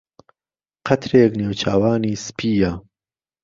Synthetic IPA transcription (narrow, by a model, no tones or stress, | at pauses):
qʰɐt̪ɾeːkneːwt͡ʃʰaːwaːniːspʰiːjaː